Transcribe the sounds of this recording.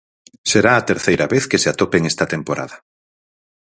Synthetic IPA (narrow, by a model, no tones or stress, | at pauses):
seɾaːt̪eɾθejɾaβeθkeseat̪opeŋest̪ɐt̪empoɾa̰ðɐ